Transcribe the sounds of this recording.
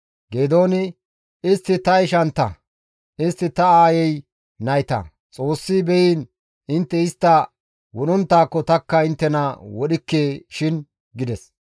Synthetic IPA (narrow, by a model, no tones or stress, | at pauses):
ɡeːd̪oːnɪ | ɪst̪ːɪt̪ɐɪʃɐnt̪ːɐ̰ | ʔɪst̪ːɪt̪ɐaːjɛj | nɐjt̪ɐ̰ | t͡sʼo̞ːsːibɛjiːn | ɪnt̪ːɛɪst̪ːɐ | wɔɗɔnt̪ːaːkːɔt̪ɐkːɐɪnt̪ːɛnɐwɔɗɪkːeːʃɪn | ɡɪd̪ɛs